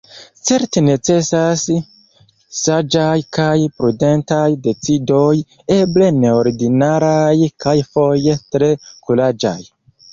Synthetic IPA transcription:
t͡se̞ɾtene̞t͡se̞sas | sad͡ʒajkajpɾude̞ntajde̞t͡sido̞j | e̞ble̞ne̞oɾdinaɾajkajfo̞je̞tɾe̞kulad͡ʒa̰j

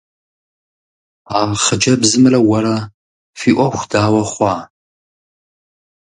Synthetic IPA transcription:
aːʁχəd͡ʒɐbzɨmɨrɐwɐɾɐ | fiːʔʷɔxʷdaːwɐχʷɑː

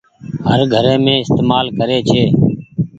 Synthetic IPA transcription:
ɦəɾɡʱəɾeːmẽːɪst̪eːmaːlkəɾeːt͡ʃʰeː

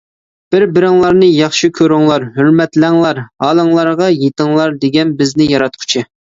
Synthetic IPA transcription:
b̥ɪɾbɪɾɪŋlˠɑɾnɨjɑχʃikʲʰøɾɪŋlˠɑɾɦøɾmɛt̪læŋlˠɑɾhɑːlˠəŋlˠɑɾʁɑjet̪ɪŋlˠɑɾd̪eɡʲɛnbɪznɪjɑɾɑt̪̚qʰʊ̥t͡ʃʰɪ

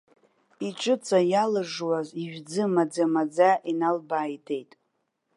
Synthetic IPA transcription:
iʈ͡ʂʼɨt͡sʼajalɨʐwaziʒᶣd͡zɨmad͡zamad͡zaʔinalbaːjtʰe̞jtʼ

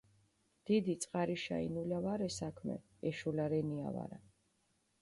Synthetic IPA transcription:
d̪̥id̪it̪sʼqʼaɾiʃa̰ḭnulavaɾɛsakʰmɛ̰ | ɛʃulaɾɛnia̰va̰ɾa̰

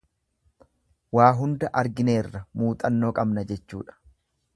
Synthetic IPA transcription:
waːɦʊnd̪ɐʔɐɾɡɪne̞ːrːɐmuːt̪ʼɐnːo̞ːkʼɐbnɐd͡ʒɛt͡ʃːṵːᶑɐ̥

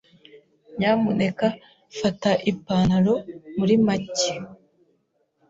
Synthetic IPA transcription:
ɲaːmune̞ka | fataʔipaːnaɾo̞muɾimace̥

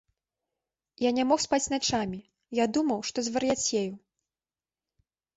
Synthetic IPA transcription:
janʲamɔxspat͡sʲnat͡ʂamʲi | jad̪umɐwʂt̪ɔzvɐrjat͡sʲjeju

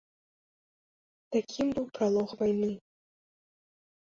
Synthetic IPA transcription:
t̪akʲʰimbɨwpɾalˠɔxvajnɨ

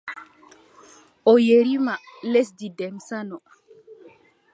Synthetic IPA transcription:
ɔjeɾimales̬didɛmsanɔ

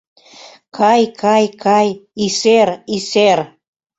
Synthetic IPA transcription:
kʰɑjkʰɑjkɑjiseɾiser

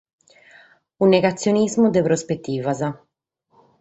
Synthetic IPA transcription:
unːeɣat̪sːjonizmud̪epɾospet̪ːiːvaza

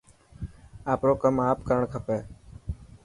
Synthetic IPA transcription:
aːpɾoːkəmaːpkəɾəɳkʰəpeː

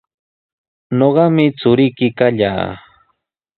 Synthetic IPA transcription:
noɢɑmɪt͡sʊɾɪjkɪkaʎa̰ː

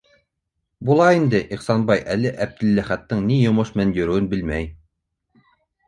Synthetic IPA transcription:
bulˠɑind̪ɘʔiχsɑnbɑjʔælɘʔæb̚d̪ɘ̆lːæχæt̪ːɘɴnijŏmoʃmnænjɵ̆ɾɵ̆ɘ̆wɘnbɘlmæj

